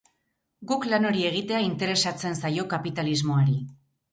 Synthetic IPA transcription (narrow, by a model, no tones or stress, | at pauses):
ɡuklano̞ɾie̞ɣ̞it̪e̞aint̪e̞ɾe̞sat͡se̞nsajo̞kapit̪alizmo̞aɾi